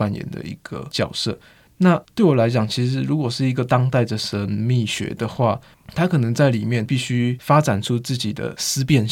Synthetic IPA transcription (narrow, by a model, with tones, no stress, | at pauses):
a˥˩njɛ̰˧˥nd̪ə̰˧ḭ˧˥ɡ̥ə̰˧t͡ɕjɑ˨˩ʊsɤ̰˥˩ | na˥˧t̪we˥˩ɪwɔ˨˩la˧˥ɪt͡ɕjɑ˨˩ŋt͡ɕʰi˧˥ʂɻ̩˧˥ɻu˧˥kwɔ˨˩ʂɻ̩˥˩i˧˥ɡə˨t̪ɑ˥ŋt̪a˥˩ɪdə˩ʂə˧˦˥nmi˥˩ɕɥɛ̰˧˥d̪ə˧xwa˥˩ | t̪ʰa˥kʰɤ˨˩nə˧˥ŋt͡sa˥˩ɪli˨˩mjɛ˥˨npi˥˩ɕy˥fa˥ʈ͡ʂa˨˩nʈ͡ʂʰu˦t͡sɹ̩˥˩t͡ɕi˨˩d̪ə̰˦sɹ̩˥pjɛ˥˧n